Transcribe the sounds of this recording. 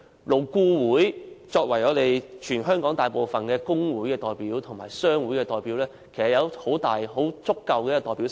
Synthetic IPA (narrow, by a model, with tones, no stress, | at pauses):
lo˨˩wkuː˧wuː˨˥jt͡sɔː˧k̚wɐ˨˩jŋɔː˨˧t̪e˨jt͡ʃʰyː˨˩nɦœː˥ŋkɔː˨˥ŋt̪aː˨jpo˨wfɐ˨nkɛː˧kʊ˥ŋwuː˨˥jkɛː˧t̪ɔː˨˩jpiː˨˥wt̪ʰʊ˨˩ŋmaː˨˩jsœː˥ŋwuː˨˥jkɛː˧t̪ɔː˨jpi˨˥wlɛː˥kʰe˨˩sɐ˨t̚jɐ˨˧who˨˥wt̪aː˨jɦo˨˥wt͡sʊ˥kːɐ˨wkɛ˧˥˧t̪ɔː˨jpi˨˥w